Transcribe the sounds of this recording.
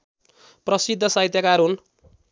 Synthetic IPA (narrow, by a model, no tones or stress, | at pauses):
prʌsid̪ʱːʌsaɦjt̪jakaɾɦun